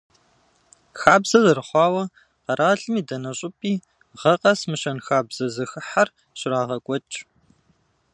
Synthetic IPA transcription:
xaːbz̥ɐzɐrɨχʷɑːwɐ | qɐɾʔaːɮʼɨmiːdɐnɐɕʼʊpʼiː | ʁɐqɐsmɨʃɐnxaːbz̥ɐzɨxɨħar | ɕɪɾaːʁɐkʷʼɔt͡ʃʼ

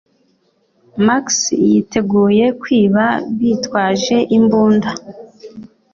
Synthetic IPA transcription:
maksjitʰe̞ɡuːje̞kwiːβaβiːtwaːʒe̞ʔimbuːnda

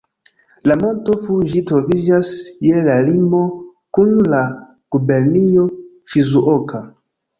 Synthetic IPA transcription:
lamo̞nto̞fuʒitɾo̞vid͡ʒasje̞lalimo̞kunla | ɡ̥ube̞ɾnio̞ | fizuʔoka

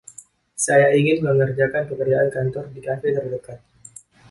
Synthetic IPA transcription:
sajaiŋɪnməŋərd͡ʒakanpəkərd͡ʒaʔankant̪ɔrdikafet̪ərdəkat̪̚

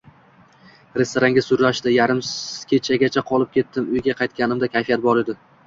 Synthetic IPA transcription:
ɾe̞st̪oɾaŋɡʲɪsʊɾlaʃd̪ɪjaɾɪmkʲʰe̞t͡ʃʰaɡʲat͡ʃʰaqʰɒlˠɪp̚kʲe̞t̪ːɪmʊjɡʲaqʰɑjt̪̚kʲanɪmd̪akʲʰajfijat̪̚bɒɾed̪ɪ

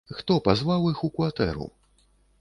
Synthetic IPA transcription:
xt̪ɔpazvawixukvat̪ɛ̰ɾṵ

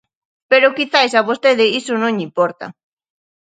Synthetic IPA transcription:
peɾokiθajsaβost̪eðeisonõɲimpoɾt̪a̰

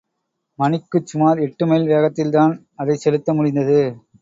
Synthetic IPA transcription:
mɐnɪkːɯt͡ʃːʊmaːlɛʈːɯmeːlʋeːɣɐt̪ːɪlt̪aːn | ɐðɐɪsɛlɯt̪ːɐmʊɻɪnd̪ɐðɯ

